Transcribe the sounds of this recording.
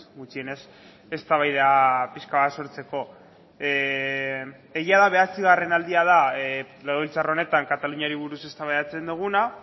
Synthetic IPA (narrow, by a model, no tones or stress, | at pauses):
mut͡sie̞ne̞s | e̞st̪aβajðeapiskaβaso̞ɾt͡se̞ko̞ | ejiaðaβ̞e̞asiɣ̞are̞nald̪iað̞a | leɣoβilt͡saro̞ne̞t̪aŋkat̪aluɲaɾiβ̞uɾuse̞st̪aβajat͡se̞nd̪uɣ̞una